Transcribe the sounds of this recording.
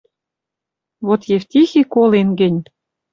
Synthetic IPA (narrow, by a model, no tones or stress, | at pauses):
βot̪jeft̪ʲixikolenɡə̆nʲ